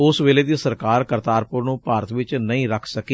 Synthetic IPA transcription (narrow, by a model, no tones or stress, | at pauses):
ʊsʋeːleːd̪iːsəɾkaːɾkəɾt̪aːɾpʊɾnũːpaːɾət̪ʰʋɪt͡ʃnəĩːɾəkʰsəkiː